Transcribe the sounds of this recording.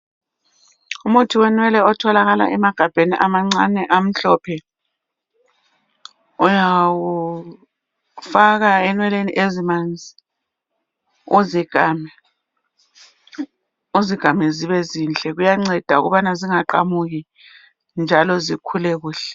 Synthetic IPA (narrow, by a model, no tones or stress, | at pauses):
umutʰiwɛnwɛlɛɔtʰɔlaɣala̰ʔɛmaɡ̥ʱab̥ʱeniʔamaŋ͡ǀanɛʔam̩ɬɔpʰɛ | ɔjawu | faɣaɛnwɛleniʔezimand͡zʱi | uziɡ̥ʱamɛ | uziɡ̥ʱamɛziβɛziːnt͡ɬʼɛɣujaŋ͡ǀɛd̥ʱaṵɣṵβanaziŋaǃamuɣi | nd͡ʒʱalɔzikʰulɛɣuːɬɛ̥